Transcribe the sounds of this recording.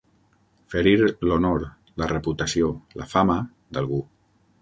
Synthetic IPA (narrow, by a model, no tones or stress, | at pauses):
fəɾiɾlonoɾ | lərəput̪asiola̰famə | d̪alˠɣu